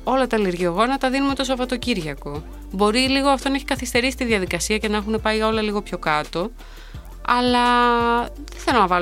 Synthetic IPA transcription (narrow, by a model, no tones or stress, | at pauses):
o̞lɐt̪ɐliɾʝioɣonɐt̪ɐðinumet̪o̞sovɐt̪o̞ciɾʝɐko̞ | bo̞ɾiliɣo̞ɐft̪o̞nɐeçikɐθist̪e̞ɾisi̥t̪iðʝɐðikɐsiɐce̞nɐexune̞pɐiʝɐo̞lɐliɣo̞pço̞kɐt̪o̞ | ɐlɐ | ðeθelomɐvɐ